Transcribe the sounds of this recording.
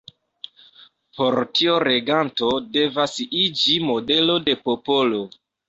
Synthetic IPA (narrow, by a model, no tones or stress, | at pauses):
po̞ɾtioɾe̞ɡanto̞de̞vasid͡ʒimo̞de̞lo̞de̞po̞po̞lo̞